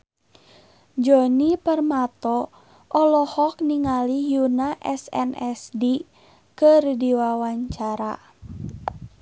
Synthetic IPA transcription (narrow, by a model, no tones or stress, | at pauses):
d͡ʒɔnipərmat̪ɔ | ʔɔlɔhɔk̚niŋalijunaʔɛsɛ̰nʔɛsdi | kərdiwawaɲt͡ʃaɾa̰